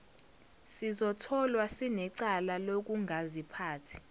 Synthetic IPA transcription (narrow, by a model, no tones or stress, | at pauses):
sizɔtʰɔlwasinɛǀalalok̬uŋʱazipʰaːtʰi̥